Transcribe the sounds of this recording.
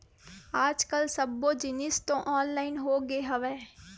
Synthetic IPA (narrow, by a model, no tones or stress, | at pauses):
aːd͡ʒkəlsəbːoːd͡ʒɪnɪst̪õːʔɔːnlaːɪnɦoːɡeːɦəʋɛː